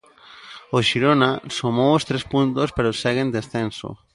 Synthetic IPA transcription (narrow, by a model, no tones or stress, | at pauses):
oʃiɾonasomowost̪ɾespunt̪ospeɾosɛɣend̪esθenso̰